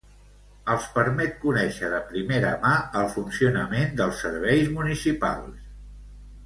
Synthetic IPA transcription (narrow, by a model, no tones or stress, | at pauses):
əlˠspəɾmɛt̪̚kunɛʃəðəpɾimeɾəmaəlˠfunsiunəmend̪əlˠsːəɾβ̞ɛjzmunisipa̰lˠs